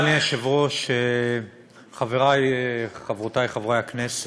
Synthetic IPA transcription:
neaʃevʁoʃe | χaveʁajχavʁot̪ajχavʁajhaknes

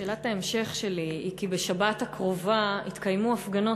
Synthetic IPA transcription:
ʃeːlataemʃe̞χʃe̞liikibe̞ʃabathakʁo̞vait̪kajmuafɡano

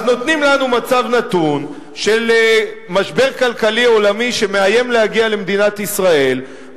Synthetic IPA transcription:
no̞t̪nimlanumat͡savnat̪un | ʃe̞lmaʃbe̞ʁkalkalio̞lamiʃe̞meaje̞mlehaɡiale̞md̪inat̪isʁae̞l

